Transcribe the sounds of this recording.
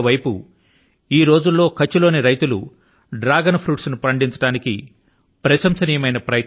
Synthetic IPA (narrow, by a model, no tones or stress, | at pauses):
ʋɐjpu | iːɾo̞ːd͡ʒulːo̞ːkɐt͡ʃːulo̞ːniɾɐjt̪ulṵ | ɖɾaːɡɐnpʰɾuːʈsnupɐɳɖiɲt͡ʃɐ̥ɽaːnikḭ | pɾɐʃɐmsɐniːjɐmɐjnɐpɾɐjɐk